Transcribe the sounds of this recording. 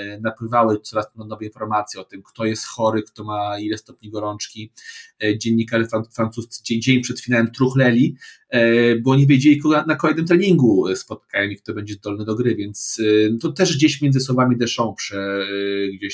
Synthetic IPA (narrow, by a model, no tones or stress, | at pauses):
napwɘvawɛt̪sɔɾast̪nanɔvɛinfɔɾmat̪sʲjɛɔt̪ɘmkt̪ɔjɛst̪xɔɾɘkt̪ɔmailɛst̪ɔpɲiɡɔɾɔnt͡ʂkʲi | d͡ʑeɲʲːikaʐɘafɾant̪sust̪sɘd͡ʑɛjd͡ʑelʲipʂɛt̪fʲinawɛmt̪ɾuxlɛlʲi | bɔɔɲivʲjed͡ʑelʲikɔɡɔnakɔlɛjd̪ɨmt̪ɾɛɲiŋɡuspɔt̪̚kajɔ̃m̃ikt̪ɔbɛɲd͡ʑɛzd̪ɔlnɛd̪ɔɡɾɘvʲjɛnt̪st̪ɔt̪ɛʐɡd͡ʑeɕmʲɛnzɘswɔvamʲid̪ɛʂɔ̃w̃pʂɛ | ɡd͡ʑeɕ